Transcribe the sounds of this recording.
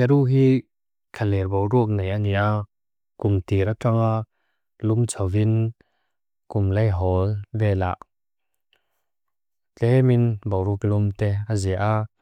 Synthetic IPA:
ɛɾuɦi | kʰalɛɾbɔwɾuək̚nejʔania | kumt̪iɾataŋa | lumt͡sʰɔwin | kumlejɦɔlvɛːla̰ʔ | t͡ɬɛminbɔwɾuəklumt̪ɛaziʔa

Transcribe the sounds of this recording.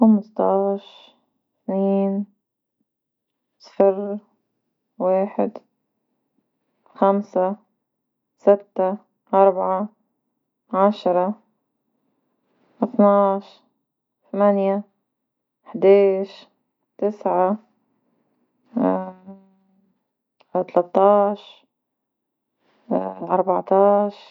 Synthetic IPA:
xamʊst̪ɑːʃ | θniːn | sˤfɪɾ | weːħɪd̪ | xamsa | sɪt̪ːa | ʔɑɾˤbaʕa | ʕaʃɾˤɑ | ʔɪθnɑːʃ | θamanja | ħd̪eːʃ | t̪ɪsʕa | t̪alat̪ːɑːʃ | ʔɑɾˤbɑʕt̪ɑːʃ

